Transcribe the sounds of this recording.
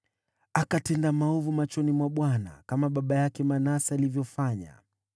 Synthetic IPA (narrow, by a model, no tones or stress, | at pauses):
akatɛndamaɔvumat͡ʃɔnimwaɓwana̰kamaɓaɓajakɛmanasaalivjɔfaɲa̰